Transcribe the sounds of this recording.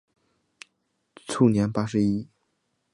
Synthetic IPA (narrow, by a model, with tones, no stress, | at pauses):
ʈ͡ʂʰu˥˩njɛ˧˥npa˥ʂɻ̩˧˥i˥